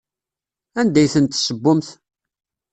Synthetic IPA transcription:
ænd̪æjθənt̪ːsəbːʊmθ

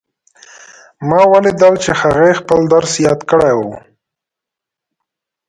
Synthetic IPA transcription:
mɑwaled̪alt͡ʃehaɣajxpəld̪aɾsjɑd̪kəɽajwu

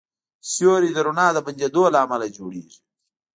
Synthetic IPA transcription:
sjoːɾid̪əɾunɑːd̪əpaɲd͡ʒad̪oːlaːmalad͡ʒoːɽeːʐi

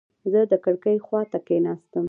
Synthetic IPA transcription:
zəd̪əkəɽkəjxwɑt̪akenɑst̪əm

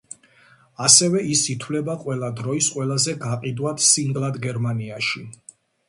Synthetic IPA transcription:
asɛvɛʔisit̪ʰwlɛbaqʼwɛlˠad̪ɾɔisqʼwɛlˠazɛɡaqʼid̪wat̪ʰsiŋɡlˠad̪ɡɛɾmaniaʃi

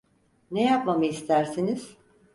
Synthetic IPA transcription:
nejapmamaist̪ʰæɾsiniz̥

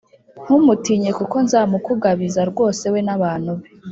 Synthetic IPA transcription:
ŋ̥humutiːɲe̞kuko̞nzaːmukuɡaβizaɾɡwo̞ːse̞we̞naβaːn̥uβe

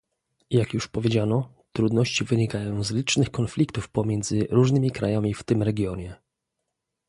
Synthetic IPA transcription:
jakjuʂpɔvʲjed͡ʑanɔ | t̪ɾud̪nɔɕt͡ɕivɘɲikajɔ̃w̃zlʲit͡ʂnɘxkɔnflʲikt̪ufpɔmʲjɛnd̪zɘɾuʐnɘmʲikɾʔajamʲift̪ɘmɾɛɡʲjɔɲɛ

